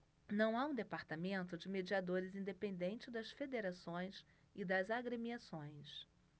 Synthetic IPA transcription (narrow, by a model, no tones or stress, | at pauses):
nɐ̃w̃aũd̪epaɾt̪amẽnt̪ʊd͡ʒɪmed͡ʒiad̪oɾɪzĩnd̪epẽnd̪ẽnt͡ʃɪd̪ɐsfed̪eɾasõj̃s | ɪd̪ɐzaɡɾemiasõj̃s